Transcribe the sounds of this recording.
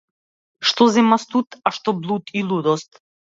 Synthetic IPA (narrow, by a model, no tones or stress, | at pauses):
ʃt̪ɔzɛmast̪ut̪aʃt̪ɔblˠut̪ilˠud̪ɔst̪